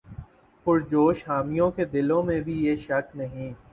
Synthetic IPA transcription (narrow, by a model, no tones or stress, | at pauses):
pʊɾd͡ʒoːʃɦaːmijõked̪ɪlõmẽbʱijeːʃɐknɐɦĩ